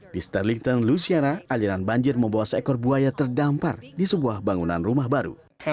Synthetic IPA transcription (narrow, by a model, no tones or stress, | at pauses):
dist̪arliŋt̪ɔnlusiaɾaʔaliɾanbaɲd͡ʒɪrməmbawasɛkɔrbuajat̪ərdampa̰rdisəbuahbaŋunanrumahbaɾṵ